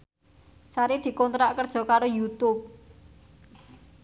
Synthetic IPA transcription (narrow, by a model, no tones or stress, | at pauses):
saɾid̪̥i̤kɔnt̪ɾaʔkərd̥ʒ̥ɔ̤kaɾojut̪ʊp̚